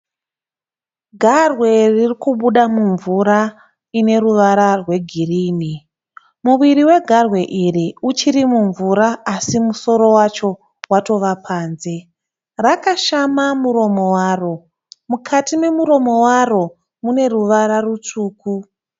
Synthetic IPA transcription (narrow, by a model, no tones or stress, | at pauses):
ɡʱarwe̞ririkuɓuɗamuɱvuɾa | ine̞ɾuʋaɾarwe̞ɡʱiriːni | muʋiɾiwe̞ɡʱarwe̞ʔiriut͡ʃirimuɱvuɾaːsimuso̞ɾo̞wat͡ʃo̞ | wato̞ʋapʰaːnze̞ | rakaʃamamuɾo̞mowaːro̞ | mukʰatime̞muɾo̞mo̞waro̞ | mune̞ruʋaɾarut͡ʂuːku